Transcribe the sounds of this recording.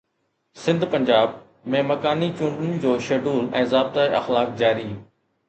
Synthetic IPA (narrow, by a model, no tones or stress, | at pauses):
sɪ̃nd̪pɐ̃ɲd͡ʑaːb̚ | mẽmɐkaːnit͡ɕũːɳɖənɪ̆d͡ʑoːʃeːɖuːlɛ̃ːzaːb̚t̪aːeɐ̰xlaːk̚d͡ʑaːɾi